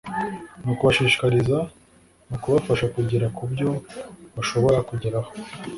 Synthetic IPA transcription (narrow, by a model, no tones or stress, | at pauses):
nukuβaʃiːʃi̥kaɾiza | nukuβafaʃakuɟiɾakubɟo̞βaʃo̞βo̞ɾakuɟiɾaho